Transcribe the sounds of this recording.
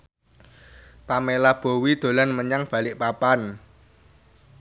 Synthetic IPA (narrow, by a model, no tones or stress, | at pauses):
pamelab̥o̤wid̪̥o̤lanməɲaŋb̥a̤lɪʔpapan